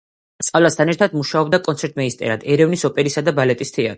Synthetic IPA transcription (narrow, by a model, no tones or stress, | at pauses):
t̪sʼavlast̪ʰanɛɾt̪ʰad̪muʃaɔbd̪akʼɔnt̪sɛɾt̪ʼmɛist̪ʼɛ̰ɾad̪ɛɾɛvnisɔpʼɛɾisad̪abalɛt̪ʼist̪ʰɛat̪ʼɾi